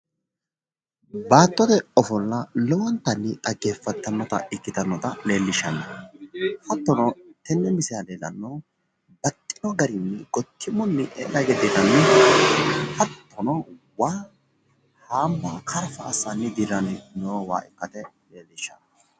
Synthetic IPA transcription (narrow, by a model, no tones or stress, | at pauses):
baːt̪ʼːɔd̪ɛɔfɔlːɐlɔwɔnt̪ɐnːɪɐɡeːfːɐt̪ːɐnːɔt̪ɐ̰ʔɪkːɪt̪ɐnːɔt̪ɐle̞ːlːɪʃːɐnɐ | hɐt̪ːɔnɔt̪ɛnːɛmɪsaleːlɐ̰nːɔ | bɐt̪ʼːɪnɔɡɐɾɪnːɛɡɔt̪ʰːɪmɔnːɪʔɛlɐɡɛt̪ːɪt̪ɐn | hɐt̪ːɔnɔ | waː | haːmbaːkʰɐɾfɐːsːɐnːɪd̪ɪɾɐnɪnoːwa̰ːʔɪkːɐt̪ɛleːlːɪʃːɐnɐ